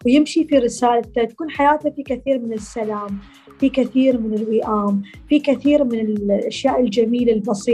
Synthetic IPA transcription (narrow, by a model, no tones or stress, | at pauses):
wjɪmʃifiɾɪsaːlt̪at̪ḁkuːnħajaːt̪afikaθiːɾmɪnɪsːalaːm | fikaθiːɾmɪnɪlwɪʔaːmfikaθiːɾmɪnɪlʔaʃjaːʔɪld͡ʒamiːlalbɑsˤiː